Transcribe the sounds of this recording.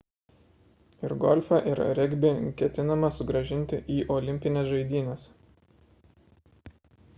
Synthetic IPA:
ɪɾɡɔlʲfɐʔɪɾ̰ɾʲɛɡʲbʲɪkʲɛt̪ʲɪnɐmɐsʊɡɾɐʒʲɪnʲt̪ʲɪʔiːʔɔːlʲɪmʲpʲɪnʲɛsʒɐɪd̪ʲiːnʲɛs

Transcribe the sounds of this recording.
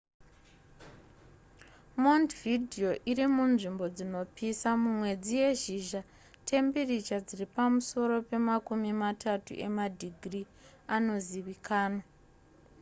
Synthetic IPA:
mondvidʱio̞ʔirimunʐimbo̞d͡zino̞pisamumwe̞d͡zije̞ʒiʒa | tʰe̞mberit͡ʃad͡ziripamuso̞ɾo̞pe̞makumimatʰatṵʔe̞madʱiɡʱri | ano̞ziʋikʰaːnwa

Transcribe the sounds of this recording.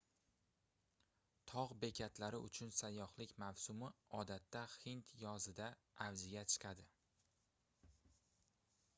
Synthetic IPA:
t̪ʰɒʁbe̞kʲʰat̪ʰlaɾɪʊ̰t͡ʃʰʊnsajːɒχlɪkʲmawsʊmɪɒd̪at̪ːahɪnt̪ʰjɒzɪd̪aː | vzɪɡʲat͡ʃʰɨ̥qʰɑd̪ɪ

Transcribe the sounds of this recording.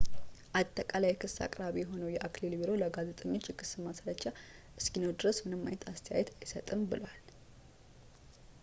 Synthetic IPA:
ʔat̪ʼːəkʼalajɛkʰɨsːa̰kʼɾaβijɛɦo̞nəwjɛʔaklilbiɾo̞ləɡazet̪ʼəɲːo̞t͡ʃːjɛkʰɨsɨmasɾət͡ʃːa | ʔɨskinəwd̪ɨɾəsmɨnɨmːa̰jnət̪ʰast̪ʰəja̰jɛt̪ʰajsət̪ʼɨmbɨləwal

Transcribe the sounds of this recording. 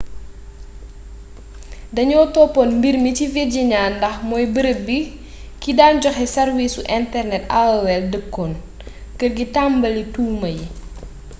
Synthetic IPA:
dɐɲɔːtɔːpːɔnmbirmiciveɟiɲaːndɐxmɔːjbəɾəbi | kidaːnɟɔxɛsɐrwisuʔɛntɛrnɛta̰wɐwɛldəkːɔːn | kərɡitambɐlituːmɐji

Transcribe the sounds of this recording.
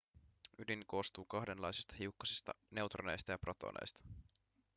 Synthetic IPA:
ydinko̞ːst̪uːkɑhde̞nlɑjsist̪ɑ̥ɦiukːɑsist̪ɑ̰ne̞wt̪rone̞jst̪ɑjɑprot̪o̰nʔḛjst̪ɑ̥

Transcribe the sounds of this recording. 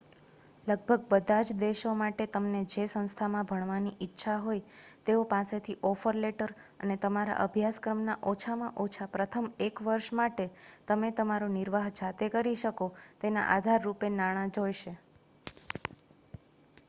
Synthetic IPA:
ləɡ̚bʱəɡ̚bəd̪ʱad͡ʒd̪eʃomaʈet̪əmned͡ʒesə̃ñst̪ʰamãbʱəɳ̃ʋaniʔɪtːʃʰaɦojt̪eopaset̪ʰiʔɔfəɾleʈəɾ | ə̰net̪əmaɾa̰ʔəbʱjaskɾəmnaʔot͡ʃʰamãʔot͡ʃʰapɾət̪ʰəmekʋəɾʃmaʈet̪əmet̪əmaɾonɪɾʋaɦd͡ʒʰat̪ekəɾiʃəkot̪ena̰ʔa̰d̪ʱaɾːupenaɽ̃ãd͡ʒojʃe

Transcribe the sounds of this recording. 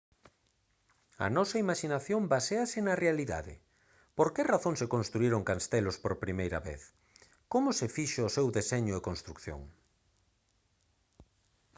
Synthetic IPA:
ɐ̰nɔsɐimaʃinaθjombaseasɪnɐrealiða̰ðɪ̰ | poɾkɪraθoŋsekõnst̪ɾuiɾoŋkanst̪ɛlʊspoɾpɾimejɾɐβḛθ | komʊsefiʃoːsewðeseɲʊekonst̪ɾukθjo̰ŋ

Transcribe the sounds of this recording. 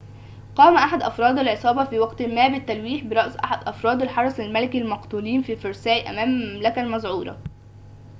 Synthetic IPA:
qɑːmæʔaħad̪ʔɑfɾˤɑːd̪ælʕesˤɑːbɑfiːwɑɡt̪mæːbɪt̪ːælwiːħbɪɾˤɑʔsʔa̰ħad̪ʔɑfɾˤɑːd̪ælħɑɾˤɑsˤælmælækilmɑqt̪uliːnfiːfoɾˤsæːiʔæ̰mæːmæmlækælmɑzˤʕuːɾˤɑ̰

